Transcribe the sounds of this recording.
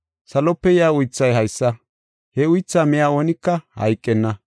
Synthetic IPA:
sɐlɔpːɛjaːʊjt͡sːɐjɦɐjsːɐ | hɛʊjt͡sːaːmɪjaːo̞ːnɪkːɐhɐ̰jkʼːɛnːɐ

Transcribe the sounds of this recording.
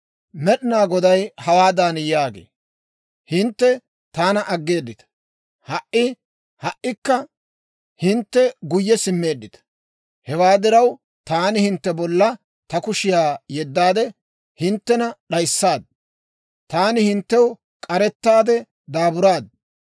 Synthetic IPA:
mɛɗɪnaːɡɔd̪ɐjhɐwaːd̪aːnjaːɡḛː | hɪnt̪ːɛ | t̪aːnɐʔɐɡːe̞ːd̪ːɪt̪ɐ̥ | hɐʔɪ | hɐʔːɪkːɐ | hɪnt̪ːɛɡʊjːɛsɪmːe̞ːd̪ːɪt̪ɐ̥ | hɛwaːd̪ɪɾɐw | t̪aːnɪhɪnt̪ːɛbɔlːɐ | t̪ɐkʊʃɪjaːjɛd̪ːaːd̪ɛ | hɪnt̪ːɛnɐɗɐjsːaːd̪̚ | t̪aːnɪhɪnt̪ːɛw | kʼɐɾɛt̪ːaːd̪ɛ | d̪aːbʊɾaːd̪

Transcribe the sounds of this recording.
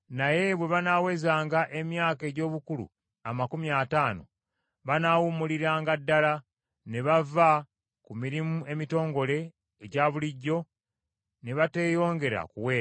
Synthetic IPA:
naje̞βwe̞βanawe̞ːzaːŋɡaʔe̞mjaːke̞ːɟo̞ːβukulṵ | amakumiaːtaːno̞̰ | βanawumuliɾaːŋɡadːala | ne̞βava | kumiɾimue̞mito̞ːŋɡo̞le̞ː | ɟaːβuliɟːo̞ | ne̞βate̞ːjo̞ːŋɡe̞ɾa̰kuwe̞ː

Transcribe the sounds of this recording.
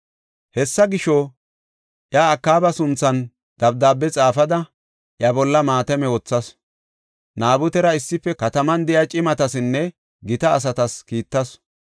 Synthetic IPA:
hɛsːɐɡɪʃɔ | ʔjaːkːaːbɐsʊnt͡sːɐn | d̪̥ɐb̚d̪aːbːɛt͡sʼaːfɐd̪ɐ | ʔjɐbɔlːɐmaːt̪ɛmɛwɔt͡sːɐs | naːbʊt̪ɛɾɐɪsːɪfːɛkɐt̪ɐmɐnd̪ɪjɐt͡ʃʼɪmɐt̪ɐsɪnːɛ | ɡɪt̪ɐːs̬ɐt̪ɐskiːt̪ːɐs

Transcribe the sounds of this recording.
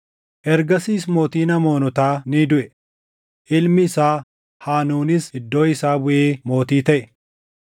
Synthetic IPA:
ʔɛɾɡɐsiːsmo̞ːt̪iːnɐmo̞ːnʊt̪aːnɪd̪ʊʔɛ | ʔɪlmɪːsaː | haːnuːnɪsɪd̪ːo̞ːɪsaːbʊʔeːmo̞ːt̪iːt̪ɐʔɛ

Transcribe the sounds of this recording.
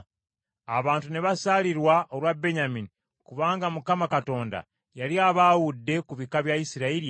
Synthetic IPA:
a̰βaːntune̞βasaliɾwaolwabe̞ɲamini | kuβaːŋɡamukamakato̞ːnda̰ | jaliaβaːwudːe̞kuβikaβjajisiɾaiɾi

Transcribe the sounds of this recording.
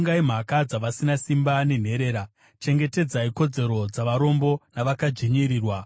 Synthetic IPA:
ŋɡaim̤akad͡zaʋasinasimbane̞n̤e̞ɾe̞ːɾa | t͡ʃe̞ŋɡe̞te̞d͡zaiko̞d͡ze̞ɾo̞d͡zaʋaɾo̞mbo̞naʋakad͡ʒiɲiɾiːrwa

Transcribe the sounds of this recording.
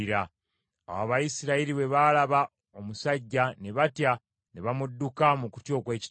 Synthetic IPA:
iɾa | a̰waβajisiɾaiɾiβe̞βalaβa | o̞musaɟːane̞βatja | ne̞βamudːukamuku̥tjo̞ːkwe̞ːci̥

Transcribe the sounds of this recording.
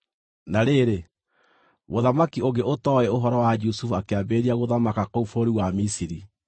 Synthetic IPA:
naɾeɾe | moðamakioɣɡeotɔɛoɦɔɾɔwad͡ʒusufuakeabeɾiaɣoðamakakoufoɾiwamisiɾi

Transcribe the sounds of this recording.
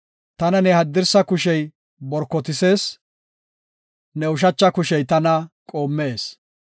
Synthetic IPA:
t̪ɐnɐnɛhɐd̪ːɪɾsɐkʊʃɛj | bɔɾkːɔt̪ɪse̞ːs | nɛʊʃ̬ɐt͡ʃːɐkʊʃɛjt̪ɐnɐkʼoːmːe̞ːs

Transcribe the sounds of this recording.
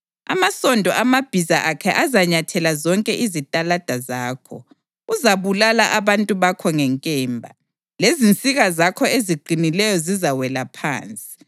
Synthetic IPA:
a̰masɔndʱɔʔamab̥ʱizaʔakʰɛʔazaɲatʰɛlazɔŋkʼɛʔizitʼalad̥ʱazaːkʰɔ̰ | uzaβulalaʔaβantʼuβakʰɔŋɛŋkʼɛːmbʱa̰ | lezint͡sʼiɣazakʰɔeziɡ͡ǃʱinilɛjɔzizawɛlapʰa̰ːnt͡sʼi̥

